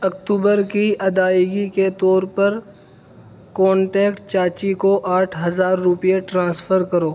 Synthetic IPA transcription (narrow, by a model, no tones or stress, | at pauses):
ɐkt̪uːbəɾkiɐd̪aːjɡiket̪ɔːɾpɐɾ | kɔ̃ːɳʈɛːkʈt͡ʃaːt͡ʃikoʔaːʈʰɦɐzaːɾːʊpijeʈɾãːsfʰəɾkɐɾoː